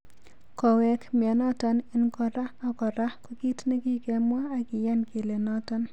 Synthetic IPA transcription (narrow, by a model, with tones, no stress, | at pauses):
kɔ˨wɛkmɛ˨nɔ˦tɔ˦nɪ˦nkɔ˨ɾaː˦˨kɔ˨ɾa˦ku˦ki˦tne˦ki˦kɛ˨mwa˦a˨kɪ˨jɛ˦nke˨le˨nɔ˦tɔ˦n